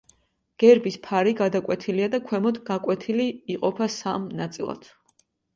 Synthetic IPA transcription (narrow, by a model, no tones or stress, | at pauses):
ɡ̥ɛɾbispʰaɾiɡad̪akʼwɛt̪ʰiliad̪akʰwɛmɔd̪ɡakʼwɛt̪ʰiliːqʼɔpʰasamnat̪sʼilˠa̰d̪̥